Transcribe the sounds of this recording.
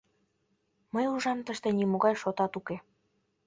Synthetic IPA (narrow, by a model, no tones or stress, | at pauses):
məjuʒɑmt̪əʃt̪ĕnimoɣɑjʃot̪ɑt̪uke